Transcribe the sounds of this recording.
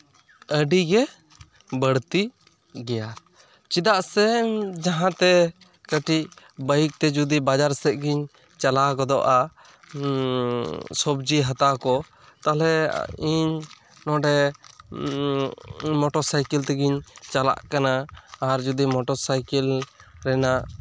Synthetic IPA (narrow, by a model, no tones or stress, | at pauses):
əɖiɡɛ | bəɽt̪i | ɡɛja | t͡ʃid̪aʔsɛd͡ʒaɦãt̪ɛ | kəʈiʔ | bəjik̚t̪ɛd͡ʒud̪ibad͡ʒaɾsɛʔ̪̚ɡiɲ | t͡ʃalakɔd̪ɔʔa | sɔbd͡ʒiɦat̪akɔ | t̪alɛ̰iɲ | nɔ̃ɖɛ | mɔʈɔɾsajkɛlt̪ɛɡiɲt͡ʃala̰ʔkanaːɾd͡ʒud̪imɔʈɔɾsajkɛlɾɛnaʔ